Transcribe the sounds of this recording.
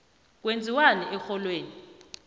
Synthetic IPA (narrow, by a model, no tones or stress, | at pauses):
k̬wend͡zʱiwanɛʔɛxɔlweːni